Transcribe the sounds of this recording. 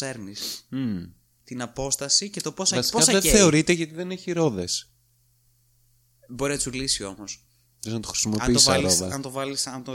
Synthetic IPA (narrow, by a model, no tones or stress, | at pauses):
eɾnis̩ | t̪inɐpo̞st̪ɐsice̞t̪o̞po̞sɐɐst̪ipoɐsɐðeeθe̞o̞ɾit̪e̞ʝɐt̪iðe̞neçiɾo̞ðe̞s | bo̞ɾinɐt͡sulisio̞mo̞s | eznɐt̪oxɾi̥simo̞pɐnioɐlɾosðɐnt̪o̞vɐlisɐnt̪o